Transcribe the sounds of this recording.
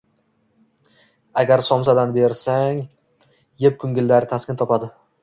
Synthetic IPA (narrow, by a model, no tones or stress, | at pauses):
aɡʲaɾsɒmsad̪anbe̞ɾsaŋ | jep̚kʰʊŋɡʲɪlːaɾɪt̪ʰaskʲɪnt̪ʰɒpad̪ɪ